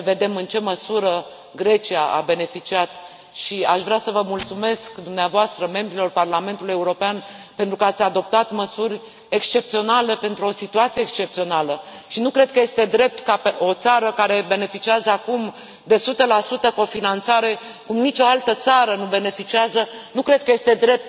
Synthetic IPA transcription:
əve̞d̪e̞mɨnt͡ʃe̞məsuɾə | ɡɾe̞t͡ʃiaʔa̰be̞ne̞fit͡ʃiat̪ | ʃiaʃvɾasəvəmult̪sume̞skd̪umneavoast̪ɾəme̞mbɾilo̞rparlame̞nt̪uluje̞uɾo̞peanpe̞nt̪ɾukəat̪sʲad̪o̞p̚t̪at̪məsuɾʲ | e̞kst͡ʃe̞p̚t̪sio̞nale̞pe̞nt̪ɾuo̞sit̪uat̪sijeːkst͡ʃe̞p̚t̪sio̞naləʃinukɾe̞d̪̚kəje̞st̪e̞d̪ɾe̞p̚t̪kapeo̞t̪saɾəkaɾe̞be̞ne̞fit͡ʃiazəakum | d̪e̞sut̪əlasut̪əko̞finant̪saɾe̞ | kumnit͡ʃo̞alt̪ət̪saɾənube̞ne̞fit͡ʃiazənukɾe̞d̪̚kəje̞st̪e̞d̪ɾe̞p̚t̪

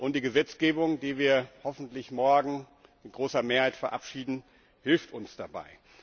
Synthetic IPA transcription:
ʔʊntd̥iːɡəzɛt͡sɡ̥eːbʊŋdiːviːɐhɔfn̩tlɪçmɔɐɡŋ̩ | mɪt̚ɡ̥ʁoːsɐmeːɐhaɪtfɛɐʔapʃiːdn̩ | hɪlftʊnsd̥aba̰ɪ

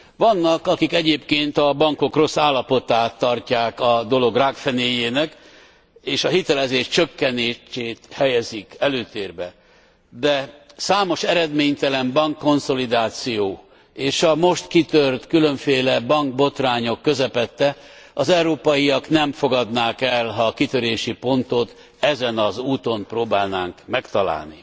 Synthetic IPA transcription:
vɒnːɒkɒkikɛɟeːpkeːnt̪ɒbɒŋko̞kro̞sːaːlːɒpo̞t̪aːt̪ːɒrcaːkɒd̪o̞lo̞ɡraːkfɛneːjeːnɛk | eːʃɒɦit̪ɛlɛzeːʃt͡ʃø̞kːɛneːt͡ʃeːt̪hɛjɛzikɛløːt̪eːrbɛ̰ | d̪ɛsaːmo̞ʃɛɾɛd̪meːɲt̪ɛlɛmbɒŋkːo̞nso̞lid̪aːt̪sijoː | eːʃɒmo̞ʃt̪kit̪ørt̪kyløɱfeːlɛbɒŋɡ̚bo̞t̪raːɲo̞kːø̞zɛpɛt̪ːɛɒzɛwɾoːpɒjiɒknɛmfo̞ɡɒd̪naːkɛlɦɒkit̪ø̞ɾeːʃipo̞nt̪o̞t̪ | ɛzɛnɒzuːt̪o̞mproːbaːlnaːŋkmɛkt̪ɒla̰ːlnḭ

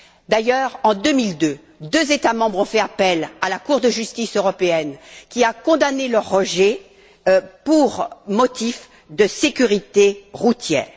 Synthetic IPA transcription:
d̪ajœʁɑ̃d̪ømild̪ø | d̪øzet̪amɑ̃bʁɔ̃fɛapɛlalakuʁd̪əʒyst̪isøʁɔpeɛnkʲiakɔ̃d̪anelœʁːəʒɛ | puʁmɔt̪if | d̪əsekʲyʁit̪eʁut̪jɛ̰ːʁ

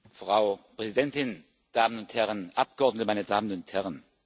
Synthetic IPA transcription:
fʁ̥aʊpʁ̥ɛzidɛntɪn | d̥aːmənʊnthɛʁənʔap̚ɡ̥əʔɔɐdnətəmaɪnədaːmənʊnthɛʁən

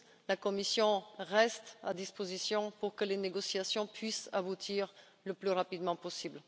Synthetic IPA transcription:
lakɔmisjɔ̃ʁɛst̪a̰d̪ispozisjɔ̃puʁkəleneɡɔsjasjɔ̃pɥisabut̪ʰiʁ | ləplyʁapid̪mɑ̃pɔsibl

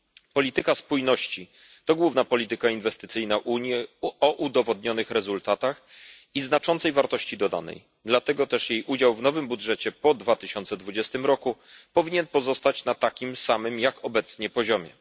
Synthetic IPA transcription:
pɔlʲit̪ɘkaspujnɔɕt͡ɕi | t̪ɔɡwuvnapɔlʲit̪ɘkainvɛst̪ɘt̪sɘjnaʔuɲjɛɔʔud̪ɔvɔd̪ɲɔnɘxɾɛzult̪at̪axiznat͡ʂɔ̃nt̪sɛjvaɾt̪ɔɕt͡ɕid̪ɔd̪a̰nɛ̰j | d̪lat̪ɛɡɔt̪ɛʂjejʔud͡ʑawvnɔvɘmbudʐɛt͡ɕɛpɔd̪vat̪ɘɕɔnt̪sɛd̪vud͡ʑɛst̪ɘmɾɔku | pɔvʲiɲɛnpɔzɔst̪at͡ɕnat̪akʲimsamɘmjakʰɔbɛt̪sɲɛpɔʑɔmʲjɛ̰

